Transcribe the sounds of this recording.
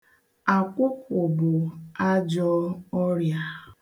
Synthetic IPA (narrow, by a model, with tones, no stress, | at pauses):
a˨kʷʊ˦pʊ˨bʊ˨a˦d͡ʒɔ˦ɔ˦ɾja˦